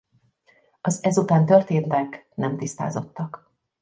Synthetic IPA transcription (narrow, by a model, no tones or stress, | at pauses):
ɒzɛzut̪aːnt̪ø̞rt̪eːnt̪ɛknɛmt̪ist̪a̰ːzo̞t̪ːɒk